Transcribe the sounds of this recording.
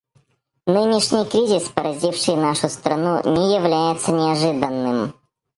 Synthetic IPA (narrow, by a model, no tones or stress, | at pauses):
nɨnʲɪʂnʲɪjkɾʲizʲɪspəɾɐzʲifʂɨjnaʂʊst̪ɾɐnunʲɪjɪvlʲæjɪt̪sənʲɪɐʐɨd̪ənːɨm